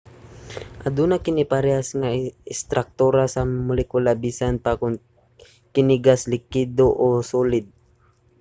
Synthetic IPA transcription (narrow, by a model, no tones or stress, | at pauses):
ʔad̪uːnakɪnɪpaɾɛasŋaɪst̪ɾak̚t̪uːɾasɐmʊlɛkulabisanpakʊŋ | kɪnɪɡaslɪkid̪oʔosuːlɪd̪̚